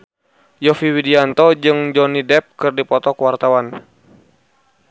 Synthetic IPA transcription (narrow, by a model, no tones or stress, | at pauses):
jɔfiwidiant̪ɔd͡ʒɨŋd͡ʒɔnidɛp̚kɨrdipɔt̪ɔkwart̪awan